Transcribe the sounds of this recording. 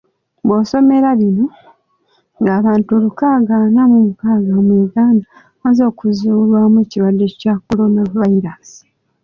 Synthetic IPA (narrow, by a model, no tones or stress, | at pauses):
boso̞me̞ɾaβino̞ | ŋɡaːβaːntulukaːɡanamumukaːɡamwiːɡaːnda | azo̞ːkuzulwamweciwadːecako̞lo̞navaiɾasi̥